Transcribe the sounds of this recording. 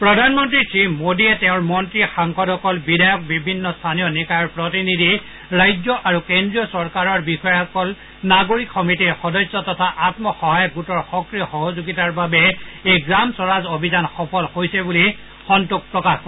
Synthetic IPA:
pɹɔdʱanmɔntɹisimodiɛtɛʊ̃ɹmɔntɹixaŋkɔdɔkɔlbidʱajɔk̚bibʱinːɔstʰaniɔnikajɔɹpɹotinidʱi | ɹajzɔʔaɹukendɹiɔsɔɹkaɹɔɹbixɔjɛɔkɔl | naɡoɹikxɔmitiɹxɔdɔjsːɔtɔtʰaʔatmɔxɔɦajɔkɡutɔɹxɔkɹiɔxɔɦozuɡitaɹbabɛejɡɹamsɔɹazobʱizanxɔpʰɔlhojsɛbuli | xɔntuk̚pɹɔkaxkɔ

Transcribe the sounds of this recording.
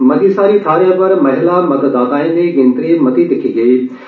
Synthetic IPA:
mɐd̪isaːɾit̪ʰaːɾijə̃pɐɾmɐɦɪlamɐɡd̪aːd̪aːɪ̃nd̪eɡẽːnt̪ɾimɐd̪id̪ɪkʰiɡɐeː

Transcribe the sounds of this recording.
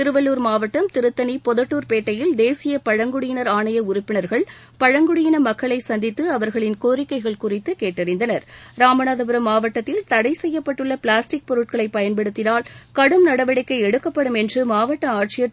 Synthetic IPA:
tɪɾɯʋɐlːuːɾmaːʋɐʈːɐmt̪ɪɾɯt̪ːɐnipɔðɐʈːuːɾpeːʈːɐjɪld̪eːsɪjɐpɐɻɐŋɡʊɽɪjɪnɐɾaːɳɐjɐʊɾʊpːɪnɐɾɣɐɭ | pɐɻɐŋɡʊɽɪjɪnɐmɐkːɐɭɐɪsɐnd̪ɪt̪ːɯɐʋɐɾɣɐɭɪnkoːɾɪkːɐɪɣɐɭkʊrɪt̪ːɯkeːʈːɐɾɪnd̪ɐnɐɾɾaːmɐnaðɐbɯɾɐmːaːʋɐʈːɐt̪ːɪlt̪ɐɽɐɪsɛjːɐpːɐʈːɯɭːɐpɭaːsʈɪk̚pɔɾɯʈ̚kɐɭɐɪpːɐjɐnpɛɽɯt̪ːɪnaːlkɐɽɯmnɐɽɐʋɐɽɐkːɐɪɛɽɯkːɐpːɐɽɯmɛndrɯmaːʋɐʈːɐaːʈt͡ʃɪjɐ

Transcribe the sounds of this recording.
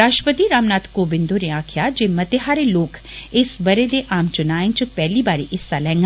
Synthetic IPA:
ɾaːʃəpət̪iɾaːmnaːt̪koːbɪ̃nd̪oɾeaːkʰjaːd͡ʒeːmɐt̪eɦaːɾeloːkɪsbɐɾed̪eʔaːmt͡ʃʊnaːĩt͡ʃpɛːlibaːɾeʔɪsːalɛ̃ːŋɡ

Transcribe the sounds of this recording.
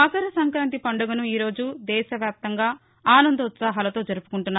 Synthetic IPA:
aːsɐɾɐsɐŋkɾaːnt̪ipɐɳɖuɡɐnuiːɾo̞ːd͡ʒud̪ɛːʃɐʋjaːp̚t̪ɐŋɡaː | aːnɐnd̪ɐut̪saːɦɐlɐt̪oːd͡ʒɐɾupu̥kuɳʈunːaː

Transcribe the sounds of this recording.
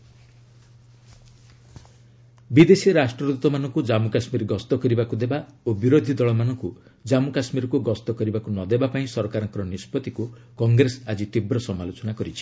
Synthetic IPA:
bid̪esiɾasʈɾɔd̪ut̪ɔmanɔŋkud͡ʒamukasmiɾɡɔst̪ɔkɔɾibakud̪ebaobiɾod̪ʱid̪ɔɭɔmanɔŋku | d͡ʒamukasmiɾɔkuɡɔst̪ɔkɔɾibakunɔd̪ebapaĩsɔɾɔkaɾɔ̃ŋkɔɾɔnispɔt̪iku | kɔŋɡɾesad͡ʒit̪ibɾɔsɔmalot͡ʃɔnakɔɾit͡ʃʰi̥

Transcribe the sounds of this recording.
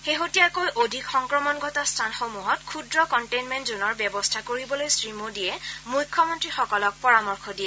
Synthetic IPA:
xeɦotijakojʔodʱikxɔŋkɹɔmɔnɡʱɔtastʰanxomuɦɔtkʰudɹɔkɔntejnmɛntzonɔɹbɛbɔstʰakoɹibɔlojsɹimodijɛmujkʰːɔmɔntɹixɔkɔlɔk̚pɔɹamɔɹkʰɔdijɛ

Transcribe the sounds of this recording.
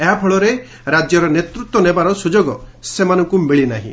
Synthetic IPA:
eɦapʰɔɭɔɾe | ɾad͡ʒjɔɾɔnet̪ɾut̪wɔnebaɾɔsud͡ʒoɡɔsemanɔŋkumeɭinaɦḭ̃

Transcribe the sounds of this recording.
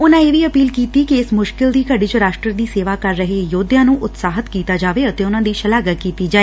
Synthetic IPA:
ʊnãːeːʋiːəpiːlkiːt̪iːkɪɪsmʊʃkɪld̪iːkəɖiːt͡ʃəɾaːʃʈɾəd̪iːseːʋaːkəɾːəɦejoːd̪jãːnũːʔʊt̪saːɦət̪kiːt̪aːd͡ʒaːʋeːət̪eːʊnãːd̪iːʃəlaːɡəkiːt̪iːd͡ʒaːeː

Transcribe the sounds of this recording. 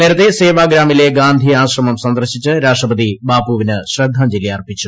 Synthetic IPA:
neːɾɐt̪ːeseːʋaːɡɾaːmile̞ɡaːnd̪ʱiaːɕrɐmɐmsɐnd̪ɐrɕit͡ɕːɨɾaːʂʈrɐbɐd̪ibaːpuʋinɨɕrɐd̪ʱːaːmd͡ʑiljaːrpit͡ɕːu

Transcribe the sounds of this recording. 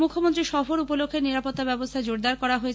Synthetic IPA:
mukʰːomont̪ɾiʃɔfoɾupolokʰːeɾniɾapot̪ːabɛbost̪ʰad͡ʑoɾd̪aɾkɔɾaɦoet͡ɕʰ

